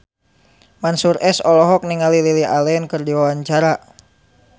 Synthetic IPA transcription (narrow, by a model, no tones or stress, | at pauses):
mansurɛsɔlɔɦɔk̚niŋalililiʔalɛnkərdiwawaɲt͡ʃaɾa